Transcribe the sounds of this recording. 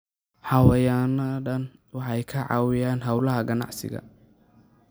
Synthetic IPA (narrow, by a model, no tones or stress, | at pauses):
ħɑwɐjaːnɐɖɐnwɑħɑjkʰɐʕɑ̰wɪjaːnɦɑwlɐɦɐɡɐnɑ̰ʕsɪ̰ɣɐ̰